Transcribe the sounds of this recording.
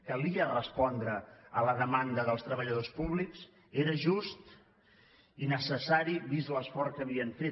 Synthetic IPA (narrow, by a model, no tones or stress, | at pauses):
kəliərəspɔnd̪ɾəələðəmand̪əðəlˠst̪ɾəβəʎəðospuβliks | eɾəʒust̪ | inəsəsaɾiβizləsfɔɾkəβiəɱfe